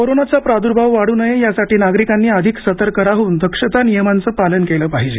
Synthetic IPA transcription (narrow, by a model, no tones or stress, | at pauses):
koɾonat͡sapɾad̪uɾbʱaʋʋaɽuːnəjejasaʈiːnaɡɾikanːiːəd̪ʱiksət̪əɾkəɾaɦuːnd̪ʱəkʂət̪anijəmant͡səːpalənkeləːpaɦid͡ʑe